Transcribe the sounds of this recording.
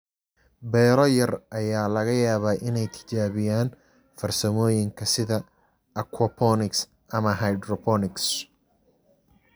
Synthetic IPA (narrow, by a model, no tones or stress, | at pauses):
bɛːɾɔjɐrʔɐjaːlɐɣɐjaːβaːʔɪnɛjt̪ʰɪ̥t͡ʃaːβɪjaːn | fɐrsɐmɔːjɪŋkʰɐsɪðɐ | ɐkʰwɔpʰɔnɪks | ʔɐmɐɦɐjd̪rɔpʰɔnɪks